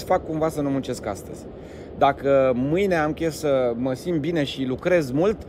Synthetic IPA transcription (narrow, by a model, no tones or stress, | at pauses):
fakːumvasənumunt͡ʃe̞ska̰st̪ə̰z̥ʲ | d̪akəmɨjne̞amkʲesəməsint̪̚bine̞ʃilukɾe̞zmult̪